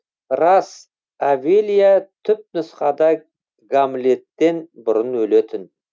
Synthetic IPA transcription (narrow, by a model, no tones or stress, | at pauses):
rɑs | avelʲijat̪ʰʏp̚nʊsχɑd̪ɑ | ɡamle̞t̪ːe̞nbʊɾənwɵle̞t̪ʰɪn